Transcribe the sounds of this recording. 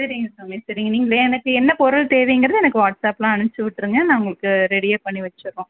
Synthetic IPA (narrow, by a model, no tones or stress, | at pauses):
sɐɾiŋɡɐsɐmiːsɐɾiŋɡɐniːŋɡɐɭeɛnɐkːɯɛnːɐpɔɾɐɭt̪eːʋɛjŋɡɪɾɐðɯɛnɐkːɯʋaːʈsaːpːlãːɐɳɯt͡ʃːɯʋɪʈːɯɾɯŋɡɐnãːʊŋɡɐɭɯkːɯɾɛɽijaːpɐɳːiʋɐt͡ʃːɯɾõː